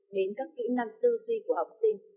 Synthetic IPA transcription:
ɗe˨˦nkaː˦˥kːḭ˧˥na˧ŋt̪ɨ˧zwi˧ku˧˩əha˨˩wk͡p̚si˧ŋ

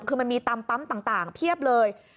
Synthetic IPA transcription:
kʰɯː˧ma˧nmiː˧t̪a˧mpa˦˥mt̪aː˨˩ŋt̪aː˨˩ŋp̪ʰi˥˩əp̚lɤː˧j

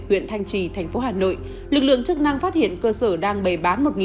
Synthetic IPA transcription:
hwḭ˧˨ənt̪ʰa˧jŋ̟t͡ɕi˧˩t̪ʰɛ˨˩jŋ̟fo˨˦ɦaː˨˩no̰˧˨j | lɨ˨˩k̚lɨ̰˧˨əŋt͡ɕɨ˦˥k̚na˧ŋfaː˦˥t̚hḭ˧˨ənkəː˧səː˧˩ɗaː˧ŋɓə˨˩jɓaː˨˦nmo˨˩t̚ŋi˨

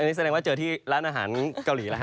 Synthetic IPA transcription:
a˧nːi˦˥s̬a˧dɛː˧ŋwa˥˩t͡ɕɤː˧˩t̪ʰiː˥˩ɾaː˦˥nʔaː˧ɦa̰ː˩˦nka˧wliː˩˦la˦˥˦

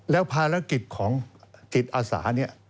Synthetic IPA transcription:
lɛː˦˥wpʰaː˧ɾa˦˥ki˨˩t̪̚kʰɔː˩˦ŋt͡ɕi˨˩t̪̚ʔaː˧sa̰ː˩˦ni˥˩ɐ

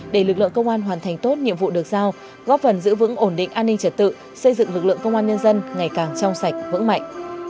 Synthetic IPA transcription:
ɗe˧˩lɨ˨˩k̚lɨ̰˧˨əkə˧wŋ͡mʔaː˧nɦwaː˨˩nt̪ʰa˨˩jŋ̟t̪o˦˥t̚ɲḭ˧˨mvṵ˧˨ɗɨ˨˩ək̚zaː˧w | ɣɔ˦˥p̚fə˨˩nzɨ̰˧˥vɨ̰˧˥ŋʔo˧˩nɗḭ˧˨ŋ̟ʔaː˧nːï˧ŋ̟t͡ɕə˨˧˩t̚t̪ɨ̰˧˨ | sə˧jzɨ̰˧˨ŋlɨ˨˩k̚lɨ̰˧˨əŋkə˧wŋ͡mʔaː˧nɲə˧nzə˧nŋa˨˩jkaː˨˩ŋt͡ɕɔ˧wŋ͡msa˨˩jk̟̚vɨ̰˧˥ŋma̰˧˨jŋ̟

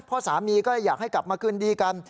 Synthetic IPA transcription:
pʰɔː˥˩saː˩˦miː˧kɔː˥˩a˧˩jaː˨˩k̚ha˥˩jkla˨˩p̚maː˧kʰɯ˥˩ndiː˧ka˧n

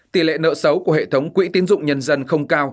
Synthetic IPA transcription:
t̪i˧˩lḛ˧˨nə̰ː˧˨sə˨˦wku˧˩əhḛ˧˨t̪ʰə˨˦wŋ͡mkwḭ˧˥t̪i˨˦ənzʊ̰˧˨ŋ͡mɲə˧nzə˧nxə˧wŋ͡mkaː˧w

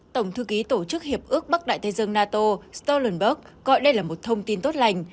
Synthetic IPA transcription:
t̪ə˧˩wŋ͡mt̪ʰɨ˧ki˨˦t̪o˧˩t͡ɕɨ˦˥k̚hi˨˩əp̚ʔɨ˦˥ək̚ɓa˦˥k̚ɗa̰ː˧˨jt̪ʰə˨˦jzə˧ŋnaː˧t̪o˧st̪o˧lə˨˩nɓə˦˥k̚ | ɣɔ̰˧˨jɗə˧jlaː˨˩mo˨˩t̚t̪ʰə˧wŋ͡mt̪i˧nt̪o˦˥t̚la˧jŋ̟

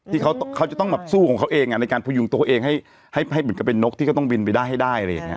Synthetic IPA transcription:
t̪ʰiː˥˩kʰa˦˥wt̪kʰa˦˥wt͡ɕa˨˩t̪ɔ˥˩ŋbɛː˨˩p̚suː˥˩kʰɔː˩˦ŋkʰa˦˥wʔeː˧ŋʔa˧˩na˧jkaː˧npʰuː˧ju˨˧˦ŋt̪u˧ʔeː˧ŋɦa˥˩j | ha˥˩jɦa˥˩jmɯ˩˦nka˧˩pe˧nːo˦˥k̚t̪ʰiː˥˩kt̪ɔ˥˩ŋbi˧npa˧jdaː˥˩jɦa˥˩daː˥˩jla˧ja˨˩ŋːi˦˥

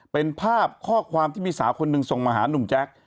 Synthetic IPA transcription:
pe˧npʰaː˥˩p̚kʰɔː˥˩kʰwaː˧mt̪iː˥˩miː˧saː˩˦wkʰo˧nːɯ˧ŋso˨˩ŋmaː˧ɦa̰ː˩˦nu˨˩mt͡ɕɛ˦˥k̚

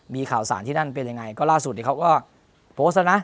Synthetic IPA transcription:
miː˧kʰaː˨˩wsaː˩˦nt̪ʰiː˥˩na˥˩np̬e˧nja˧ŋa˧jkɔː˥˩laː˥˩s̬u˨˩t̪̚iː˥˩kʰwkɔː˥˩ | pʰoː˦˥s̬̚t̚la˦˥na˦˥

